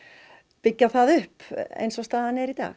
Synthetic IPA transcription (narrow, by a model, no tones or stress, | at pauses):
pɪcːaθaðʏhpḛjnsɔst̪aːðanɛɾit̪a̰ːx